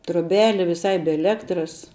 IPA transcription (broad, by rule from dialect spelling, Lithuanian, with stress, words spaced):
troːˈbʲæːlʲɪ ʋʲɪˈsɐɪ bʲɛ ɛˈlʲæːktrɐs